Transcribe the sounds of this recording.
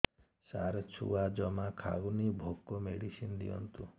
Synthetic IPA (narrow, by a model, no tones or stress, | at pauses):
saɾt͡ʃʰṵad͡ʒɔmakʰaɡunibʱokːɔmeɽisind̪ḭɔ̰nt̪u